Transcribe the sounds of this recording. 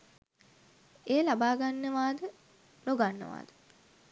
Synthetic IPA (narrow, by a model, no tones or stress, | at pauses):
eːlabaːɡanːəʋaːd̪ə | loɡanːə̰ʋa̰ːd̪ə̥